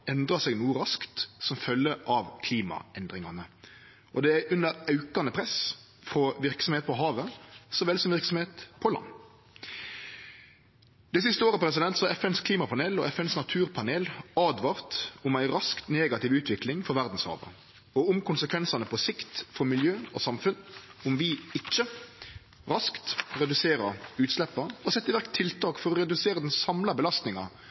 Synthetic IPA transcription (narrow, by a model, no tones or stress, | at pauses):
ɛnd̪ʁɑsɛɡnuːəɾɑskt̪sɔmfœlːəʔɑʋkʰliːmɑ̰ɛnd̪ʁɪŋɑnə | ʔɔd̪ɛæʔʉnːəɾɑʉkɑnəpʰʁɛs | fɾɔʋɪʁksɔmheːt̪̚pɔɦɑːʋəsɔʋɛlsɔmʋɪʁksɔmheːt̪pʰɔlɑ̰nː | d̪̥ɛɪs̬ɪst̪əoːʁəpʰɾɛs̬ɪd̪ɛnt̪sɔɑɛfɛnskʰliːmɑpʰɑneːlɔʔɛfɛnsnɑt̪ʰʉːɾpʰɑneːlɑːd̪ʋɑːʁt̪ʊmæɪɾɑskt̪neːɡɑt̪ɪʋʉːt̪ʰʋɪklɪŋfɔɾʋæʁd̪n̩shɑ̰ːʋə̰ | ɔʊmkʊnsəkʰʋɛnsɑnəpʰɔsɪkt̪fɔɾmɪljøːnɔsɑmfʉnʊmʋɪɪt͡ʃːə | ɾɑskt̪ɾɛd̪ʉseːɾə̰ʉːt̪slɛpːɑɔsɛt̪ːɪʋæʁkt̪ʰːɪlt̪ʰɑːkfɔɾɔɾɛd̪ʉseːɾəd̪ɛnsɑmlɑbəlɑst̪nɪŋɑ̰